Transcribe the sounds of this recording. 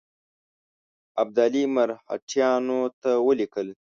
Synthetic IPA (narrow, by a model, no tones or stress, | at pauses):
ab̚d̪aːlimaɾha̰ʈʰjɑːnot̪awəlikəl